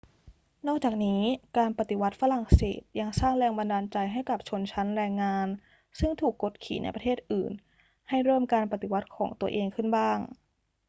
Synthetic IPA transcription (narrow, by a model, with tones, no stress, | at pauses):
nɔː˥˩k̚t͡ɕaː˨˩k̚niː˦˥kaː˧npa˨˩t̪i˨˩wa˦˥t̪̚fa˧ɾa˨˩ŋsḛː˨˩t̪̚ja˧ŋsaː˥˩ŋɾɛː˧ŋba˧ndaː˧nt͡ɕa˧jɦa˥˩jka˨˩p̚t͡ɕʰo˧nt͡ɕʰa˦˥nɾɛː˧ŋːaː˧n | sɯ˥˩ŋt̪ʰuː˨˩kːo˨˩t̪̚kʰḭː˩˦nʔa̰˧jpɾt̪ʰeː˥˩t̪̚ʔɯː˨˩n | ha˥˩jɾɤː˥˩mkaː˧npa˨˩t̪i˨˩wa˦˥t̪̚kʰɔː˩˦ŋt̪u˧ɐʔeː˧ŋkʰɯ˥˩nbaː˥˩ŋ